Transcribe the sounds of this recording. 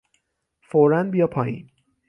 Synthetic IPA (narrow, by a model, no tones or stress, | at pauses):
foɾænbijɒːpʰɒːjḭːn